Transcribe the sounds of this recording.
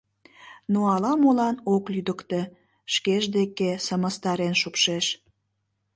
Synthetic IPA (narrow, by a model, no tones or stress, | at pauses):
noɑlɑmolɑnoklyd̪əkt̪e | ʃkeʒd̪ekesəməst̪ɑɾenʃupʃeʃ